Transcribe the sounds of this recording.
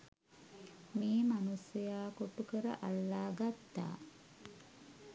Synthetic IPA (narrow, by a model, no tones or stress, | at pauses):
miːmanusɐjaːkoʈukəɾə̰ʔalːaːɡat̪ːa̰ː